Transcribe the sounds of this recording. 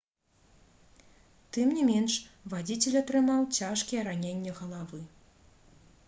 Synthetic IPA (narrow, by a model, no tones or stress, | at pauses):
t̪ɨmnʲimʲɛnʂvad͡zʲit͡sʲɛlʲɐt̪ɾɨmawt͡sʲaʂkʲijɛɾanʲenʲːɛɣɐlˠavɨ